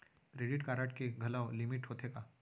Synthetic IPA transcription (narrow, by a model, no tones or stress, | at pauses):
kɾeːɖɪʈkaːɾaːʈkeɡʱɐlaːolɪmɪʈɦoːt̪ʰekaː